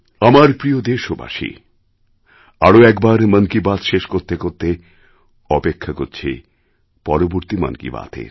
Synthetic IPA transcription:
amaɾpɾiod̪eʃoba̰ʃḭ | aɾoɛkbaɾmənkibat̪ʃeʃkoɾt̪ekoɾt̪e | ɔpekʰːakoɾt͡ɕʰi | pɔɾoboɾt̪imə̰nkḭba̰t̪ḛɾ

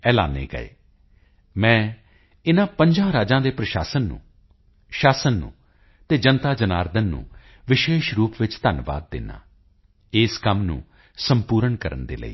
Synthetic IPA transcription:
ɛːla̰ːnḛːɡə̰ḛː | mɛ̃ː | ɪnãːpə̃ɲd͡ʒãːɾaːd͡ʒãːd̪eːpɾəʃaːsənːṵ̃ː | ʃaːsənːṵ̃ː | t̪eːd͡ʒənt̪aːd͡ʒənaːɾd̪ənːṵ̃ː | ʋɪʃeːʃɾuːpʋɪt͡ʃt̪ənʋa̰ːd̪̚ːɪ̰nã̰ː | ɪskəmnṵ̃ː | səmpuːɾəɳkəɾə̰nd̪ḛːlə̰ḭː

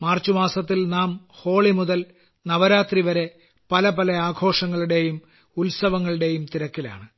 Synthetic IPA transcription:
maːrt͡ɕːumaːsɐt̪ːilnaːm | ho̞ːɭimuðɐl | nɐʋɐɾaːt̪riʋɐɾe̞ | pɐlɐpɐlɐaːɡʱo̞ːʂɐŋːɐɭuɽe̞jum | ulsɐʋɐŋːɐɭiɽe̞jumt̪iɾɐkːila̰ːɳɨ

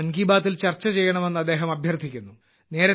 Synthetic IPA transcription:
ɐnɡiːbaːt̪ːilt͡ɕɐrt͡ɕːɐt͡ɕe̞jːɐɳɐmenːɐd̪ːeːɦɐmɐbʱjɐrd̪ʱikʲːunːu | ne̞ːɾɐ

